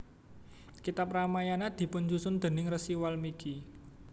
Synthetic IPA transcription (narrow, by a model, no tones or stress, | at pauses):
kit̪apɾamajanad̪̥i̤pʊnd͡ʒusʊnd̪̥ə̤nɪŋrəsiwalmiki